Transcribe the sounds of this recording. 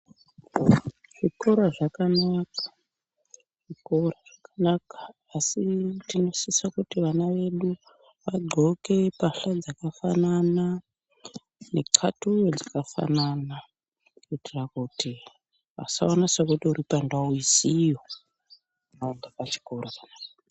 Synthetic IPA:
ʐ̥iko̞ɾoʐakanakḁ | ʐ̥iko̞ɾaʐ̥akanakḁː | sitino̞sisakutiʋanaʋe̞ɗu | ʋaɡ͡ǃʱo̞ke̞paɬad͡zakafanana | ne̞kʰatujod͡zakafa̰nana | kitirakuti | a̰sa̰onasakutiuɾipandauisijo | andakat͡ʃi̥korakanaka

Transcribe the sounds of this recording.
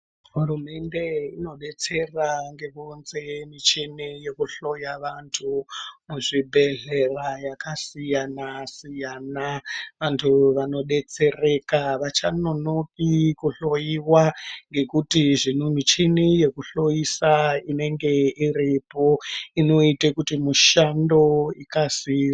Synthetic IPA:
ɦurume̞nde̞ino̞ɗe̞t͡se̞raŋɡe̞konze̞mit͡ʃinijekuɬo̞jaʋantʰumuʐibʱe̞ɮerajakasijanasijaːnaʋantʰuʋano̞ɗe̞t͡se̞re̞kaʋat͡ʃanonopikuɬo̞jiwaŋɡe̞kutiʐinomit͡ʃinije̞kuɬo̞jisaine̞ŋɡe̞iripo̞ino̞itekutimuʃando̞ikasia

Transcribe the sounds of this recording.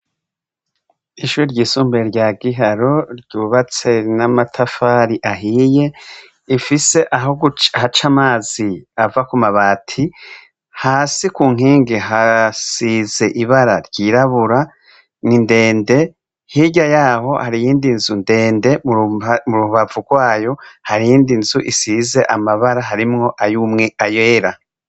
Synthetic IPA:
iʃuːɾiɾɟiːsuːmbeɾɟaːɡiɦaɾo̞ɾɟuβat͡se̞namatʰafaːɾiʔaɦiːje̞ | ifise̞ʔaɦoɡɦat͡ʃamaːziavakumaβaːtʰi | haːsikuːŋ̥ɦiːŋɡeɦasize̞ʔiβaɾaɾɟiːɾaβuɾa | ninde̞ːnde̞ | hiɟajaːɦo̞haɾijiːndinzunde̞ːnde̞muɾuβavuɡwaːjo̞haɾijiːndinzuʔisiːze̞ʔamaβaɾaɦaɾimŋo̞ʔajuːmŋeajeːɾa

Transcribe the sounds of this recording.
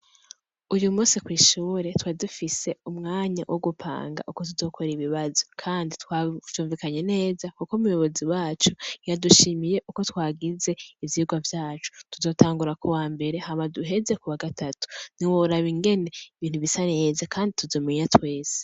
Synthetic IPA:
ujumuːsikwiːʃuːɾe̞twaːidufise̞umŋaːɲawʔoɡupʰa̰ːŋɡa̰ʔuko̞tuzo̞kʰoɾeiβiβazo̞kʰaːnditwḁuːɱvikaɲe̞ne̞ːzakukomujo̞βo̞ziwaːt͡ʃujaduʃimije̞ʔuko̞twaːɡize̞ivjiuɡwavjaːt͡ʃu̥tuzo̞ːtaːŋɡuɾakowaːmbe̞ɾe̞hamaduɦe̞ze̞kuwaɡatʰatu̥n̥iwoɾaβiŋɡe̞ne̞iβiːn̥huβisaneːzakʰaːndituzo̞ːmiɲatwe̞ːse̥

